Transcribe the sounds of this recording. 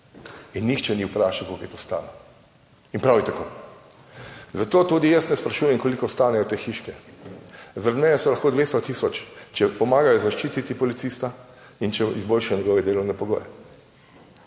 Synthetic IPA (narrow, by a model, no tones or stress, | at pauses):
inːixt͡ʃɛniupɾaːʃawkokjɛt̪ost̪a̰ːlɔ | inpɾawjit̪akoː | zat̪oːt̪uːd̪ijasnɛspɾaʃuːjɛmkɔlikɔst̪aːnɛjɔt̪eːxiʃkɛ | zaɾad̪mɛːnɛsɔlaxkoːd̪ʋeːst̪ɔt̪isɔt͡ʃt͡ʃɛpɔmaːɡajɔzaʃt͡ʃiːt̪it̪ipɔlit̪sist̪a | int͡ʃɛizbolʃajɔɲɛɡɔːʋɛd̪eːlɔwnɛpɔɡo̰ːjɛ